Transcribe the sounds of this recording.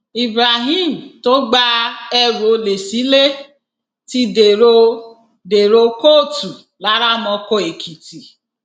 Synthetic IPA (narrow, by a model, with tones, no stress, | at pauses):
i˨bɾa˨ɦi˦˨m̩˨to˦ɡ͡ba˦ɛ˦ɾo˨o˨˦le˨si˨˦le˦ | ti˦de˨ɾo˦ | de˨ɾo˧ko˦˨tu˨ | la˨˦ɾa˦mɔ̃˧ko˦e˨kʰi˨ti˨